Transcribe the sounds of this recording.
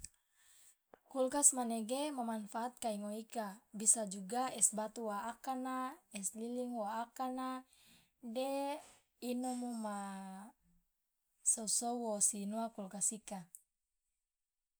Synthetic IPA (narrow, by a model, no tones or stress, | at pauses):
kulkasmaneɡemamanfaːt̪̚kaiŋoikabisad͡ʒuɡaɛsbat̪uwaːkanaɛsliliŋwaːkana | de | inomuma | sosouwosinuakulkasika